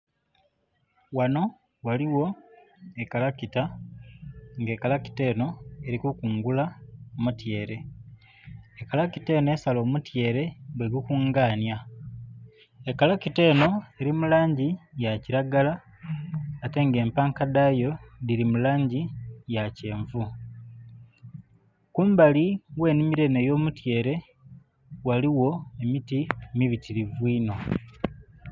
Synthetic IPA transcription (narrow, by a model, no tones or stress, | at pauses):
wano̞ | waliwo̞ | ekalakita | ŋɡe̞ːkalaki̥te̞ːno̞e̞ɾikukuːŋɡulaomutje̞ːɾe̞ | kalakite̞ːnoe̞ːsalo̞ːmutje̞ːɾe̞bweɡukuŋɡaːnja | ekalakite̞ːno̞e̞ɾimulaːɲɟijaciɾaɡalaː | te̞ŋɡe̞ːmpaːŋkadajo̞diɾimulaːɲɟijace̞ːɱvu | kuːmbaliwe̞ːnimiɾe̞ne̞jo̞ːmutje̞ːɾe̞ | waliwo̞e̞mitimiβitiɾivwiːno̞